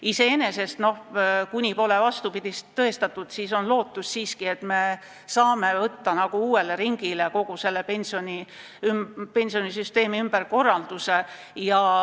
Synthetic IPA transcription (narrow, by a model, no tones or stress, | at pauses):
ise̞ene̞se̞st̪no̞hkunʲipo̞le̞vɑst̪upid̪̥isɤe̞st̪ɑt̪ːˑud̪̥siːso̞nlo̞ːt̪ːˑussiːskie̞t̪me̞ | sɑːme̞vɤt̪ːɑnɑɡ̥uuːe̞le̞ɾiŋɡ̥ile̞ko̞ɡ̥use̞lːe̞pe̞nʲsionʲi | ympe̞nʲsio̞nisyst̪e̞ːmiymb̥eɾko̞rːɑld̪̥use̞ | jɑ